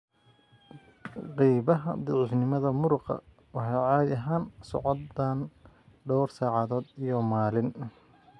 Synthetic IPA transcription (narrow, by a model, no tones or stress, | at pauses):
qijβɐɦɐ̰d̪ɪʕɪħnɪmɐðɐmʊɾʊqɑ̰ | wɑħɑjʕɑːd̪ɐɦaːnsɔ̰ʕɔdaːn | ɖɔwrsaːʕɑðɔːd̪ijɔmaːlɪn